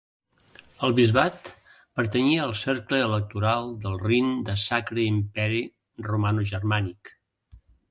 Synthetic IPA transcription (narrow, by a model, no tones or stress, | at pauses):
əlˠβizβat̪ | pəɾt̪əɲiəəːlˠsɛɾkləːlək̚t̪uɾalˠd̪əlˠrind̪əsakɾəimpɛɾi | rumanuʒərmanik